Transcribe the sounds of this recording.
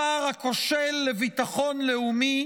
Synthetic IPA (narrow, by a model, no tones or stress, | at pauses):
aʁhako̞ʃelːevit̪aχo̞nleumi